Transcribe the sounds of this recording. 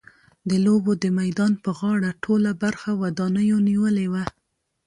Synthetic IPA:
d̪əlobod̪əmajd̪ɑnpəɣɑɽaʈʰolabaɾxawad̪ɑnəjoniwəlewa

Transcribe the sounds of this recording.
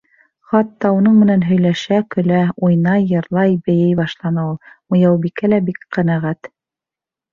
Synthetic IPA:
χɑt̪ːɑunɤɴmɘ̆nænɦɵ̆jlæʃækɵ̆læujnɑjːɤ̆ɾlˠɑjbɘ̆jɘjbɑʃlˠɑnɑulˠmŏjɑwbikælæbikqæ̆næʁæt̪

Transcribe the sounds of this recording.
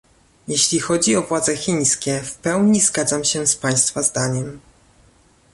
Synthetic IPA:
jeɕlʲixɔd͡ʑiɔvwad̪zɛxʲiɲ̃skʲɛfpɛwɲizɡad̪zamɕɛspaj̃st̪fazd̪aɲɛm

